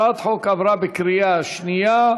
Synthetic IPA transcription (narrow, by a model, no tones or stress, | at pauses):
at̪ħokabɾabɪkɾijaʃnija